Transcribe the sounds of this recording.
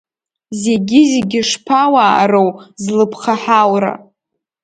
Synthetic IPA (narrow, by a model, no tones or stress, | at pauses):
zeɡʲɪzeɡʲɪʂpʰawa̰ːɾowzlɨpʰχaħawra̰